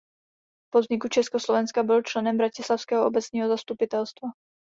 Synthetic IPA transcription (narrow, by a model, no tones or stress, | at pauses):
pod̪ɲikut͡ʃɛskɔslɔvɛnskabɪlt͡ʃlɛnɛmbɾacɪslawskɛːɦɔobɛt͡sɲiːɦɔzast̪upɪt̪ɛlst̪va